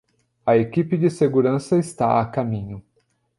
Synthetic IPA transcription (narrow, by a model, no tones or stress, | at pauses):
ɐekipɪd͡ʒɪseɡuɾɐ̃sɐɪst̪a̰ɐ̰kamĩɲʊ